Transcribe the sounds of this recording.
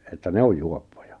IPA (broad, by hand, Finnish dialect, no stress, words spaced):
etːæ ne oj juopːojɑ̥